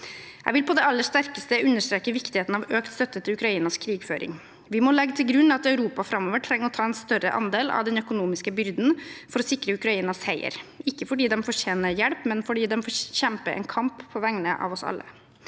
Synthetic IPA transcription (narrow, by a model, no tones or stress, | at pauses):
jæ̰ɪʋɪlpʰɔd̪ɛɑlːəʂt̪æɾkəst̪əʔʉnːəʂt̪ɾeːkəʋɪkt̪ɪheːt̪n̩ɑʋøːkt̪st̪œt̪ːət̪ʰɪlʉkɾɑiːnɑskʰɾiːɡføːɾɪ̰ŋ | ʋɪmɔlɛɡːət̪ʰɪlɡɾʉnːɑt̪œʉɾuːpɑfɾɑmːoːʋəʈʰɾɛŋːəɾɔt̪ʰɑːɛnst̪œrə̰ʔɑ̰nd̪eːlɑ̰ʋd̪ɛnœkʊnuːmɪskəbʏɾd̪nfɔɾɔsɪkɾəʉkɾɑiːnɑshæɪə̰ɾɪkːəfɔɖiːd̪ɛmfɔʂeːnəjɛɽpmɛnfɔɖiːd̪ɛmfoːçɛmpəʔɛ̰nkʰɑmpʰːɔʋæŋnəʔɑ̰ʋɔsɑ̰lːə̰